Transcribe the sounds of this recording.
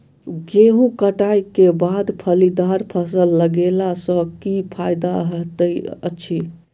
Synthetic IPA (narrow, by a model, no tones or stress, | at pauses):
ɡeɦũkəʈajkebad̪pʰəlid̪aɾpʰəsəlːəɡelasə̃kipʰajd̪aɦəɦt̪əjə̰tːt͡ʃʰi